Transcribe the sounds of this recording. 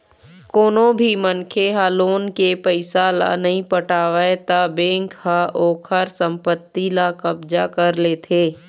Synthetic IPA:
koːnõbʱimənkʰeɦaːloːnkepəɪsala̰nɐɦĩpəʈaːʋaet̪abẽːŋkhaʔoːkʰəɾsə̃mpət̪ːilakɐbd͡ʒakɐɾleːt̪ʰeː

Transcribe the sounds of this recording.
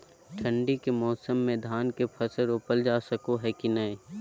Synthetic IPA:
ʈʰə̃ɳɖikemɔːsəmːẽd̪ʱaːnkepʰɐsəɾʊpəld͡ʒaːsəkoɦɛkinɐĩ

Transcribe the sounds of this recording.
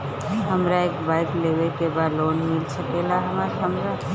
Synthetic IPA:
ɦəmɾaekbaɪklewekebad̪lonmilsəkelaɦəmaɦəmɾa

